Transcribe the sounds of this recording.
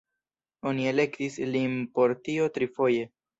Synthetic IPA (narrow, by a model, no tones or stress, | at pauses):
o̞nie̞le̞ktislinpo̞ɾtio̞tɾifo̞je̞